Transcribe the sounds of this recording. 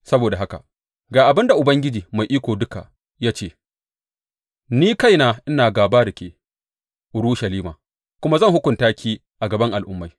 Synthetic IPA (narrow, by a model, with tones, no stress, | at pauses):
sɐ˦boː˨da˨ɦa˦ka̰˨ | ɡaː˨ʔa˨bɪ˦nda˨ʔʊ˨bɐ˦ŋɡʲɪ˦d͡ʒiː˨ma˨jʔiː˦kʷoː˨dʊ˦ka̰˨ | jaː˦t͡ʃeː˦ | niː˦ka˦jnaː˦ʔɪ˦naː˨ɡaː˨baː˦ɾɪ˨kʲeː˨ | ʔʊ˨ɾu˦ʃa˨liː˦ma̰ː˨ | kʷʊ˦ma˦zɐ˦ŋhʊ˦kʷʊ˨ntaː˦kʲʰiː˦ | ʔa˨ɡɐ˨bɐ˦ŋʔa˨lʔʊ˦mːa˨˦j